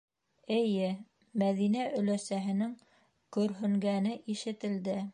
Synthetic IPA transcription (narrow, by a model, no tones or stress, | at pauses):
ɘ̆jɘ | mæðinæʔɵ̆læsæɦɘ̆nɘŋ | kɵ̆ɾɦɵ̆ŋɡænɘʔiʃɘ̆t̪ɘ̆ld̪ɘ